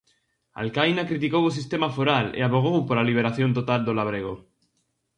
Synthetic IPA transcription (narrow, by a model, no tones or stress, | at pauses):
a̰lkajnakɾit̪ikowos̬ist̪emafoɾalḛaβoɣ̞owpoɾaliβ̞eɾaθjo̞nt̪ot̪ald̪olaβ̞ɾeɣ̞o